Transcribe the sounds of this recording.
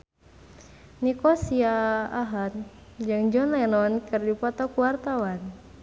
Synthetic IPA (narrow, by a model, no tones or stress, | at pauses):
nikɔsiaːɦat̪̚d͡ʒɨŋd͡ʒɔnɛnɔnkɨrdipɔt̪ɔkuwart̪awan